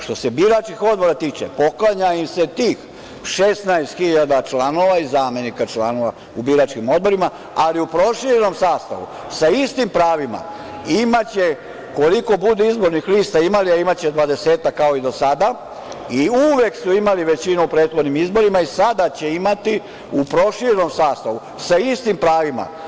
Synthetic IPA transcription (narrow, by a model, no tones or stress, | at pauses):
ʃt̪o̞se̞biɾat͡ʃkixo̞d̪̚bo̞ɾat̪iːt͡ʃḛpo̞klˠaɲaimse̞t̪iːx | ʃesnajst̪xiʎad̪at͡ʃlano̞ʋaizaːme̞nikat͡ʃlano̞ʋa | ubiɾat͡ʃkimo̞d̪̚bo̞ɾima | aliupɾo̞ʃiɾeno̞msaːst̪a̰ʋṵ | saist̪impɾaːʋima̰ | imat͡ɕe̞ | ko̞liko̞bud̪eizbo̞ɾnixliːst̪aimaliaimat͡ɕed̪ʋad̪e̞se̞ːt̪akːao̞id̪o̞sad̪a | iuʋe̞ksuimaliʋet͡ɕinuupɾeːd̪xod̪nimizbo̞ɾimaisad̪at͡ɕe̞imat̪i | upɾo̞ʃiɾeno̞msaːst̪aʋu | saist̪impɾaːʋima̰